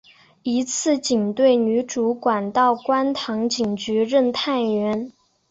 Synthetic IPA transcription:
i˧˥t͡sʰɹ̩˥˩t͡ɕi˨˩ŋt̪we˥˩ɪny˧˥ʈ͡ʂu˧˥kwa˨˩nt̪ɑ˥˩ʊkwa˥nt̪ʰɑ˧˥ŋt͡ɕi˨˩ŋt͡ɕy˧˥ɻə˥˧nt̪ʰa˥˩nɥɛ˧˥n

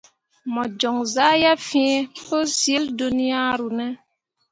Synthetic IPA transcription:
mɔ˨d͡ʒɔ˨ŋza˦ja˦fĩ˦po˦si˦ldo˦ni˦ja˦ɾu˨nɛ˦

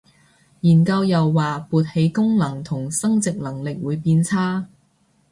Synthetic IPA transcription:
jiː˨˩nkɐ˧wjɐ˨wːaː˨puː˨˧t̚he˨˧jkʊ˥ŋlɐ˨˩ŋt̪ʰʊ˨˩ŋsɐ˥ŋt͡sɪ˨k̚lɐ˨˩ŋlɪ˨k̚wuː˨˧jpiː˧nt͡sʰaː˥

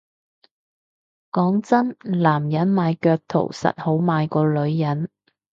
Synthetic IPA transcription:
kɔː˨˥ŋt͡sɐ˥nlaː˨˩mjɐ˨˥nmaː˨˧jkœː˧k̚t̪ʰo̰˨˩wsɐ̰˨t̚ho˨˥wmaː˨˧jkɔː˧lɵ˨˧ɥjɐ˨˥n

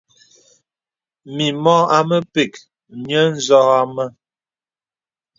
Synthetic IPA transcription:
mi˨mɔ˦a˦mə˦pe˨k | mjə˦n̩˦zɔ˦ɣa˦mə˦

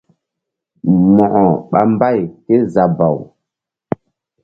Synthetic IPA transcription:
mɔ˨ʔɔ˨ɓa̰˨mba˦˨jke˦za˨ba˨w

